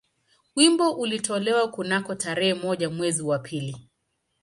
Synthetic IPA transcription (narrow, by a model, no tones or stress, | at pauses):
wimbɔʔulitɔlɛwakunakɔtaɾɛhɛmɔʄamwɛziwapʰili